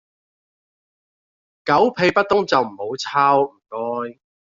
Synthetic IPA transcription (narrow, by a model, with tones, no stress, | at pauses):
kɐ˨˥wpʰe˨˧jpɐ˥t̚t̪ːʊ˥ŋt͡sɐ˨wm̩˨˩ho˨˥wt͡sʰaː˥wm̩˨˩kɔː˥j